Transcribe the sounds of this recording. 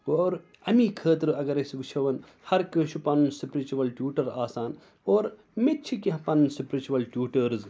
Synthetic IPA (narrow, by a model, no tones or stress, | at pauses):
oːɾ | ɐmiːkʰəːt̪ɾɨɐɡɐɾɐsʋit͡ʃʰɐʋɐn | hɐɾkɐʃʰupɐnunsipɾit͡ʃuʋɐlʈʲjuːʈɐɾaːsaːn | oːɾ | mett͡ʃʰikiɦɐ̃pɐnunsipɾit͡ʃuʋɐlʈʲjuːʈɐɾz